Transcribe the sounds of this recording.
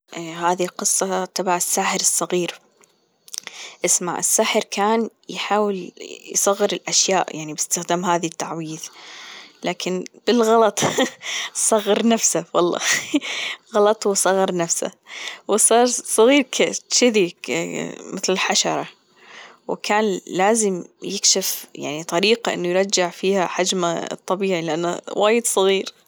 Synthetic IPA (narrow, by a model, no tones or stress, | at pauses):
ʔɦaːðiqɨsˤːɑt̪ɑbaʕɪsːaːħəɾɨsˤːɑɣiːɾ | ʔɪsmaʕɪ̰sːaħəɾkʰaːn | jħaːwɪljsˤɑɣːɨɾɪlʔaʃjaːʔjaʕnibɪst̪ɪxd̪aːmɦaːðit̪ːaʕwiːð | laːkʰɪnb̥ɪlɣɑlɑt̪ˤ | sˤɑɣːɑɾnafsawɑ̰lˤːɑ̰ː | ɣɑlɑt̪ˤwsˤɑɣːɨɾnafsa̰wsˤɑːɾˤsˤɑɣiːɾkʰaʃɪði | mɪθlɪlħaʃɑɾˤɑ | wkʰaːnlaːzɪmjɪkʃɪfja̰ʕnit̪ˤɑɾiːqaʔɪnːujɾˤɑd͡ʒːɪʕfiːhaħad͡ʒma̰t̪ˤːɑbiːʕilɪʔanːa̰waːjɪd̪sˤɨɣiːɾ